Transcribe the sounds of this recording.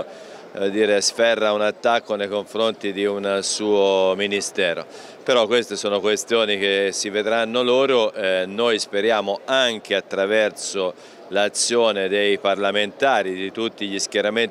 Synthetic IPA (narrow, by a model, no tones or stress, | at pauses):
d̪iːɾesfɛrːaunat̪ːakːonejkoɱfɾont̪id̪iunsuːominist̪ɛːɾo̰ | peɾɔkːwest̪esoːnokwest̪joːnik̟esːived̪ɾanːoloːɾonojspeɾjaːmoaŋk̟eat̪ːɾavɛrso | lat̪sːjoːned̪ejparlament̪aːɾid̪it̪ut̪ːiʎiskjeɾamen